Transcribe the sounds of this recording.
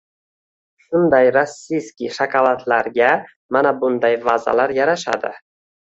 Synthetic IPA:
ʃʊnd̪ajɾasːijskʲiʃakʰavat̪ʰlaɾɡʲa | manabʊnd̪ajvaza̰laɾjaɾaʃa̰d̪ɪ̰

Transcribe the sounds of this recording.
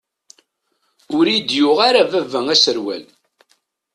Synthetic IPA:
ʊɾijd̪jʊʁaɾavævæŋæsəɾwæ̰l

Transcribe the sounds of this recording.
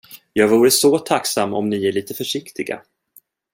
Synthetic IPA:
jɑːɡvuːɾəsɔt̪ʰaksamːɔ̰mnɪæɭiːt̪əfœʂɪkt̪ɪɡa̰

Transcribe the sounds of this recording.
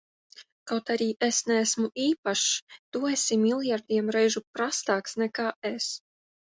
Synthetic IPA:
kawt̪aɾiːʔesnææsmuiːpaʃd̪̥uɔesʲimilˠjaɾd̪ʲiɛmɾɛjʒupɾast̪aːksnɛkaːes

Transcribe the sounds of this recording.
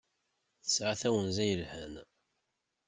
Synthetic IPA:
θə̥sʕaθæwənzæjəlhən

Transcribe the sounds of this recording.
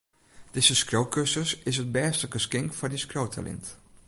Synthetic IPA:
d̥ɪzəskrowkøsəsɪsɦət̚bɛːstəkəskɪŋkfɔndiskrowtʰa̰lɪ̰nt

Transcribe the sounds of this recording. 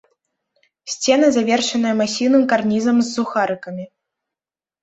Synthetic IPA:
sʲt͡sʲɛn̪ɐzavʲɛrʂɐnɐjɛmasʲiwnɨmkarnʲizɐmzːuxaɾɨkɐmʲi

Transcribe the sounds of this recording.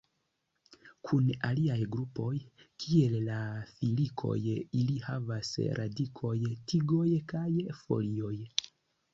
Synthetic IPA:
kʰunaliajɡɾupo̞jkʰiellafilikʰo̞̰jilihavasɾʔa̰dikʰo̞jtiɡo̞jkajfo̞̰lio̞j

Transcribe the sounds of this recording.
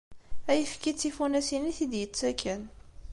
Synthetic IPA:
æjəfkit͡sːifunæsiniθid̪jət͡sːækʰːən

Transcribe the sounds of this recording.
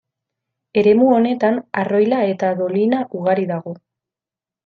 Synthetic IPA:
e̞ɾe̞muo̞ne̞t̪anaro̞jlae̞t̪aðo̞linaʔuɣaɾiðaɣo̞

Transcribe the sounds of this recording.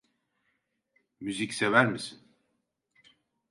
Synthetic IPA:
myzicsevæɾmisin

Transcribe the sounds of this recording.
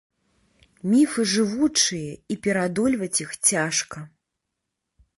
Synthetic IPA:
mʲifɨʐɨvut͡ʂɨjɐipʲɛɾad̪ɔlʲvɐt͡sʲixt͡sʲaʂkɐ

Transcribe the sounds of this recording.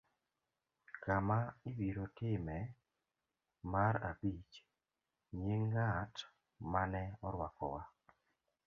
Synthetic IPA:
kamaibiɾotɪmɛ | maɾa̰bit͡ʃ | ɲeŋːat | manɛɔɾwakɔ̰wa

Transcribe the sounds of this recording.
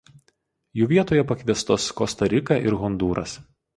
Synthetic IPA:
juːʋʲiɛt̪oːjɛpɐkʲʋʲiɛst̪oːskɔst̪ɐɾʲɪkɐˑʔɪɾɣɔnd̪uːɾɐ̰s

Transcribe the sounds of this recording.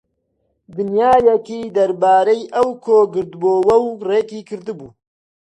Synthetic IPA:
d̪ɨnjaːjɐkiːd̪ɐɾbaːɾɐjʔɐwkʰoːɡɨɾd̪boːwɐwreːkiːkʰɨɾd̪ɨbuː

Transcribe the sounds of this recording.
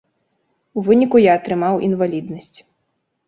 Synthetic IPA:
uvɨnʲikujaːt̪ɾɨmawʔinvalʲid̪nɐsʲt͡sʲ

